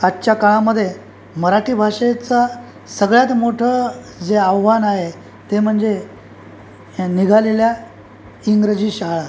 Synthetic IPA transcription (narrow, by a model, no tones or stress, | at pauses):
atːɕjakaɭaməd̪ʱːje | məɾaʈʰiːbʱaʂet͡sa | səɡɭjat̪moʈʰə | d͡zeaʋʋanaɦe | t̪em̤əɳd͡ze | niɡʱalelja | iŋɡɾəd͡ʑiːɕaɦɭa